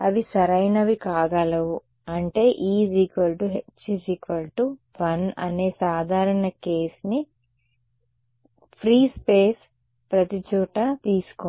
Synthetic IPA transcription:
ɐʋisɐɾɐjnɐʋikaːɡaːlɐwu | ɐɳʈe̞ːʔiːsiːkʋɐlʈuɦet͡ʃːisiːkʋɐlʈu | ʋɐnɐ̰ne̞ːsaːd̪ʱaːɾɐɳɐkeːsni | pʰɾiːspeːs | pɾɐt̪it͡ʃuːʈɐt̪iːsu̥ko

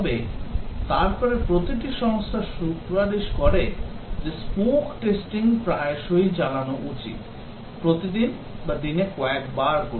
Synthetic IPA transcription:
ɔbet̪aɾpɔɾepɾot̪iʈ̬iʃɔŋst̪ʰaʃukɾad̪eʃkɔɾed͡ʑespokʈesʈiŋpɾaeʃojd͡ʑalanoʔut͡ɕḭt̪ | pɾot̪id̪in | bad̪inekɔekbaɾko

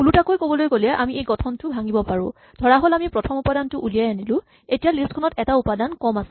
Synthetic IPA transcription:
ulutakojkobɔlojkolɛʔamiejɡɔtʰɔntʊbʱaŋibɔpaɹʊ̃ | d̥ʱɔɹaɦɔlamipɹɔtʰɔmupadantʊʔulijajanilʊ̃ | etijalistkʰɔnɔtɛtaupadankɔmasɛ̥

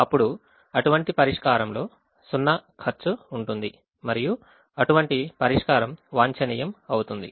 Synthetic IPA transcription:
ɐpːuɽu | ɐʈuʋɐɳʈipɐɾiʂkaːɾɐmlo̞ː | sunːɐkʰɐɾt͡ʃuːɳʈund̪i | mɐɾiju | ɐʈuʋɐɳʈipɐɾiʂkaːɾɐmʋaːɲt͡ʃɐnijɐmɐwut̪und̪i

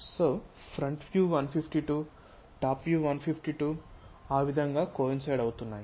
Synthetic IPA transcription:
soː | pʰɾɐɳʈʋjuːʋɐnpʰipʰʈiʈuː | ʈaːpʋjuːʋɐnpʰipʰʈiʈuːaːʋid̪ʱɐŋɡaːkoːinsɐjɖɐwut̪unːaːji

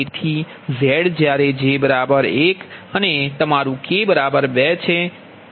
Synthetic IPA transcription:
et̪ʰi | zɛɽd͡ʒjaɾed͡ʒebəɾabəɾekənet̪əmaɾũkebəɾabəɾbɛt͡ʃʰe

